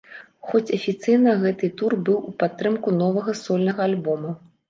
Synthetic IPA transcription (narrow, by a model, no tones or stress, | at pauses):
xɔt͡sʲɐfʲit̪sɨjnɐɣɛt̪ɨt̪urbɨwupat̪ːɾɨmkunɔvɐɣɐsɔlʲnɐɣɐalʲbɔmɐ